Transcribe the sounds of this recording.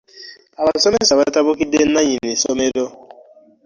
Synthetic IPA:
abasɔmesabatabokiden̩naɲinisomedo

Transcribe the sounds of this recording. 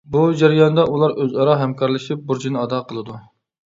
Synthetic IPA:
bud͡ʒæɾɪjɑnd̪ɑʔulˠɑɾʔøzɑɾɑɦɛmkʰɑɾlˠɨʃip̚buɾd͡ʒinɨɑd̪ɑqʰəlˠɨd̪u

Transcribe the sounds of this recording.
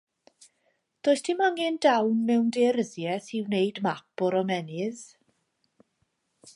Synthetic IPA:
d̥oːjstʰɪmaŋɪndawnmɛwndeːɾəðjɛθiwnejdmapʊɾɔmɛnɪð

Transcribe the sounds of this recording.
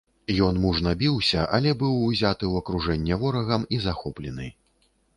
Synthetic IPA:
jɔnmuʐnɐbʲiwsʲɐʔɐ̰lʲɛbɨwːzʲat̪ɨwɐkɾuʐɛnʲːɛvɔɾɐɣɐmizaxɔplʲɛnɨ

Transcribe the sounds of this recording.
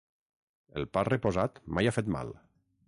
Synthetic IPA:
ḛlˠparepozat̪majafet̪ma̰l

